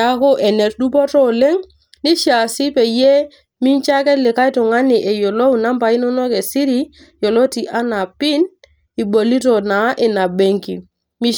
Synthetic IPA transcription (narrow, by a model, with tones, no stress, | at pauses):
a˦ko˦ʔɛ˨nɛ˨t̚du˦pɔ˦tɔ˦le˦ŋ | ni˦ʃa˨si˦pɛ˨je˦ | mi˦nt͡ʃa˦kɛ˦tlɪ˨ka˦i˦tɔ˨ŋa˦ni˨ʔɛ˨jo˨lo˦u˨na˦mpa˨i˦nɔ˦nɔ˦kɛ˨si˦ɾi˦ | jɔ˨lo˦ti˨ʔa˦na˨pi˦n | i˨bo˨li˦tɔ˨na˨˦ʔɪ˨na˨be˦ŋkḭ˨ | mi˦